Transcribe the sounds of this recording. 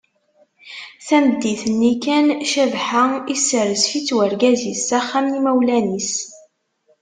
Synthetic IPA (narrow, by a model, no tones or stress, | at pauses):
θæməd̪ːiθənːikænʃævħəisːəɾəsfit͡sːwəɾɡæzisæχːæmnimæwlænis